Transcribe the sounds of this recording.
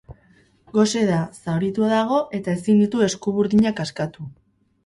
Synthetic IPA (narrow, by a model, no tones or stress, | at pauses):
ɡo̞se̞ðasawɾit̪uaðaɣ̞o̞ʔe̞t̪ae̞sind̪it̪ue̞skuβuɾðiɲakaskat̪u